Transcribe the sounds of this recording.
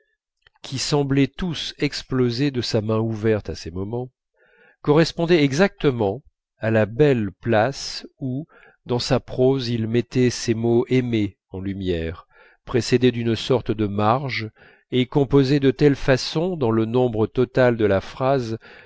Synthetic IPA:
kʲʰisɑ̃blɛt̪usɛksplozed̪əsamɛ̃uvɛʁt̪asɛmɔmɑ̃ | kɔʁɛspɔ̃d̪ɛɛɡzak̚t̪əmɑ̃ | alabɛlplasu | d̪ɑ̃sapχozilmɛt̪ɛsemoʔeme | ɑ̃lymjɛʁ | pχesed̪ed̪ynsɔʁt̪d̪əmaʁʒ | ekɔ̃pozed̪ət̪ɛlfasɔ̃d̪ɑ̃lənɔ̃bʁət̪ɔt̪ald̪əlafχaz

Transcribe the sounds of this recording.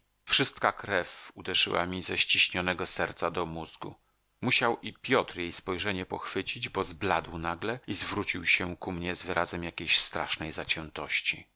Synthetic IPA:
fʂɘst̪̚kakɾɛfud̪ɛʐɘ̰wa̰mʲizɛɕt͡ɕiɕɲɔnɛɡɔsɛɾt̪sad̪ɔmuzɡṵ | muɕawʔipʲjɔt̪ɾjejspɔjʐɛɲɛpɔxfɘt͡ɕid͡ʑbɔzblad̪wnaɡlɛizvɾut͡ɕiwɕɛkumɲɛzvɘɾʔazɛmjakʲejɕst̪ɾa̰ʂnɛjzat͡ɕɛnt̪ɔɕt͡ɕi

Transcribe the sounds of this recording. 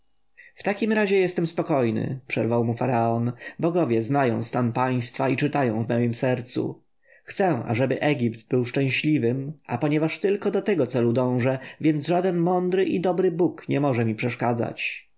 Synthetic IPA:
ft̪akʲimɾaʑɛjɛst̪ɛmspɔkɔjnɘ̰pʂɛɾvawmufaɾaɔnbɔɡɔvʲjɛznajɔ̃w̃st̪anpaj̃st̪fait͡ʂɘt̪ajɔ̃w̃vmɛjimsɛɾt̪sṵ | xt̪sɛa̰ʐɛbɘʔɛɡʲipt̪bɘwʂt͡ʂɛ̃w̃ɕlʲivɘmʔa̰pɔɲɛvaʂt̪ɘlkɔd̪ɔt̪ɛɡɔt̪sɛlud̪ɔ̃w̃ʐɛvʲjɛnd̪zʐad̪ɛnmɔnd̪ɾɘʔid̪ɔbɾɘbukɲɛmɔʐɛmʲipʂɛʂkad̪za̰t͡ɕ

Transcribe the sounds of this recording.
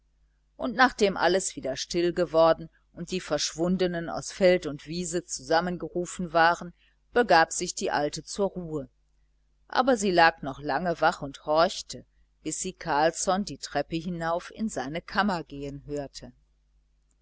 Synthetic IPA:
ʔʊntnaːχd̥eːmʔa̰ləsv̥iːdɐʃtɪlɡəvɔɐdn̩ | ʔʊnt̚d̥iːfɛɐʃv̥ʊndənəna̰ʊsfɛltʊntv̥iːzət͡suzamənɡəʁuːfn̩vaːʁən | b̥əɡaːpz̥ɪçd̥iːʔaltət͡suːɐʁuːə | ʔa̰ːbɐziːlaːknɔχlaŋəvaχʊnthɔɐçtʰə | b̥ɪsz̥iːkʰaɐlsɔndiːtʁ̥ɛpəɦɪnaʊfɪ̰nzaɪnəkʰamɐɡeːənɦøːɐtʰə

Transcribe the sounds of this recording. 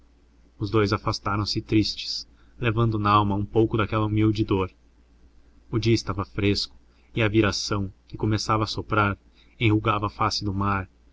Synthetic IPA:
ʊzd̪ojzafast̪aɾɐ̃w̃sɪt̪ɾist͡ʃɪ̥s | levɐ̃nd̪ʊnaawmɐũpowkʊd̪akɛlɐumiwd͡ʒɪd̪oɾ | ʊd͡ʒiɐɪst̪avɐfɾeskʊ̥ | ɪɐviɾasɐ̃w̃kɪkomesavɐːsopɾaɾ | ẽj̃huɡavɐːfasɪd̪ʊmaɾ

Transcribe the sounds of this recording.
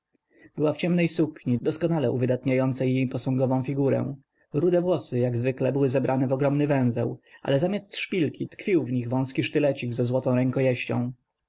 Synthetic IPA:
b̥ɘwaft͡ɕɛmnɛjsukɲid̪ɔskɔnalɛʔṵvɘd̪at̪ɲajɔnt̪sɛjejpɔsɔ̃ŋɡɔvɔ̃w̃fʲiɡuɾɛ̰w̃ | ɾud̪ɛvwɔsɘjaɡzvɘklɛbɘwɘzɛbɾʔanɛvɔɡɾɔmnɘvɛ̃w̃zɛwʔa̰lɛzamʲast̪ʂpʲilkʲit̪kfʲiwvɲiɣvɔ̃w̃skʲiʂt̪ɘlɛt͡ɕiɡzɛzwɔt̪ɔ̃w̃ɾɛŋkɔjɛɕt͡ɕɔ̰̃w̃

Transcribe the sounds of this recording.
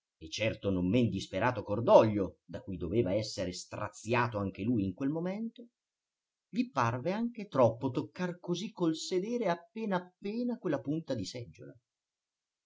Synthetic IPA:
et͡ʃːɛrt̪onomːend̪ispeɾaːt̪okord̪ɔʎːod̪akujd̪oveːvaɛsːeɾest̪ɾa̰t̪sjaːt̪oaŋk̟elujiŋkwelmomɛnt̪o | viparveaŋk̟et̪ɾɔpːot̪okːarkozikːolsed̪ɛːɾeapːeːnaːpːeːnakwelːapunt̪ad̪isɛd͡ʒːo̰la̰

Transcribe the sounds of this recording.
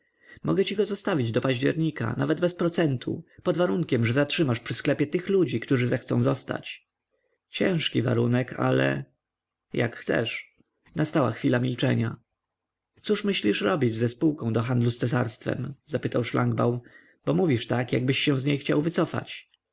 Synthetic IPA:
mɔɡɛt͡ɕiɡɔzɔst̪avʲid͡ʑd̪ɔpaʑd͡ʑɛɾɲika̰navɛd̪bɛspɾɔt̪sɛnt̪ʰṵpɔd̪vaɾuŋkʲɛmʐɛzatʂɘmaʂpʂɘsklɛpʲjɛt̪ɘxlud͡ʑikt̪uʐɘzaxt̪sɔ̃zɔst̪a̰t͡ɕ | t͡ɕɛ̃ʂkʲiva̰ɾunɛkʰa̰lɛ̰ | ja̰kxt̪sɛ̰ʂ | nast̪awa̰xfʲilamʲilt͡ʂɛ̰ɲa | t̪suʂmɘɕlʲiʂɾɔbʲid͡ʑzɛspuwkɔ̃w̃d̪ɔɦand̪lust̪sɛs̬aɾst̪fɛ̰mzapɘt̪awʂla̰ŋɡba̰wn | b̥ɔmuvʲiʂt̪akjaɡ̚bɘɕːɛ̃w̃zɲejxt͡ɕawvɘt̪sɔfa̰t͡ɕ

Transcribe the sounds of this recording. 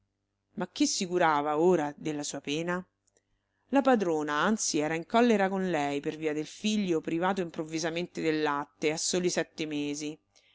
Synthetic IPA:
mak̟ːisːikuɾaːvaoːɾad̪elːasuːapeːna | lapad̪ɾoːnaant̪siɛːɾaiŋkɔlːeɾakonlɛjperviːad̪elfiʎːopɾivaːt̪oimpɾovːizament̪ed̪elːat̪ːeasːoːlisɛt̪ːemeːzi

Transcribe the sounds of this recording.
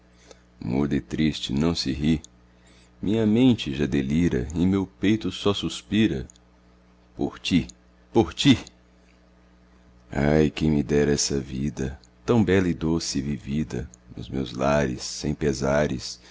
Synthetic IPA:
mud̪ɪt̪ɾist͡ʃɪnɐ̃w̃sɪɦi | mʔĩɲɐmẽnt͡ʃɪʒad̪eliɾɐ̰ɪmewpejt̪ʊsɔsuspiɾɐ̰ | poɾt͡ʃi | poɾt͡ʃi | a̰jkẽj̃mɪd̪ɛɾɐɛsɐvid̪ɐ | t̪ɐ̃w̃bɛlɐɪd̪osɪvivid̪ɐ̰nʊ̰zmḛwzlaɾɪsːẽj̃pezaɾɪs

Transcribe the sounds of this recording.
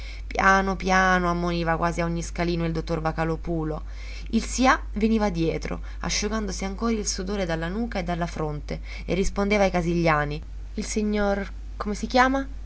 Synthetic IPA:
pjaːnopjaːnoamːoniːvakwʔaːziaoɲːiskaliːnoild̪ot̪ːorvakalopuːlo | ilsia | veniːvad̪jɛːt̪ɾo̰ | a̰ʃːuɡand̪osiaŋkoːɾilsud̪oːɾed̪alːanuːkaed̪ːalːafɾont̪e | ḛrːispond̪eːvajkaziʎːaːni | ilsiɲːor | komesik̟jaːma

